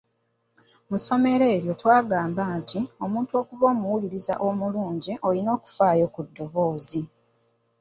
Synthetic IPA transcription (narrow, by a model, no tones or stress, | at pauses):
muso̞me̞ɾeːβjo̞twaːɡaːmbaːntʰio̞muːntuo̞ːkuβo̞ːmuwuliɾiza̰ʔo̞muluːɲɟiʔo̞lino̞ːku̥faːjo̞kudːo̞βo̞ːzi